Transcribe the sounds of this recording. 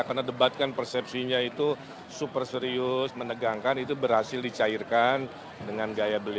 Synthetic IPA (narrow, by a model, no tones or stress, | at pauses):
kərnadəbat̪̚kanpərsɛp̚siɲait̪u | supərsəɾiʊsmənəɡaŋkanit̪ubərhasɪldit͡ʃaɪrkan | dəŋanɡajabəli